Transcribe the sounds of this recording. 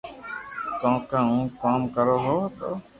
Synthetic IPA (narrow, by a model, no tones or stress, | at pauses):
t̪ɔ̃ːkãũːkaːmkəɾoːɦoːt̪o̰